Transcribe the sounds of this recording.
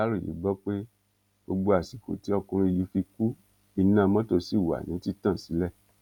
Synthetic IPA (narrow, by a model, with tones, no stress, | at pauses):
a˦ɾo˦˨jḭ˨˦ɡ͡bɔ˦k͡pe˦ | o˧ɡ͡bo˧a˨si˨ko̰˨ti˨˦ɔ˧kũ˧ɾ̃ĩ˧i˧li˨˧˦fi˧ku˦ | i˧nã˦˧mɔ̃˦to˧si˦˨wa̰˨nĩ˨˦ti˦tã˦˨si˨˦lɛ˦˨